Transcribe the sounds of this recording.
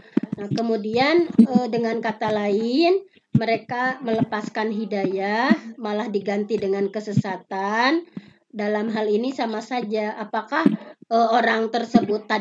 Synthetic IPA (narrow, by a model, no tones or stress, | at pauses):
nahkəmudianədəŋankat̪alaɪn | məɾekamələpaskanɦidajahmalahdiɡant̪idəŋankəsəsat̪an | dalamɦalinisamasad͡ʒaʔapakahəoɾaŋt̪ərsəbʊt̪ːa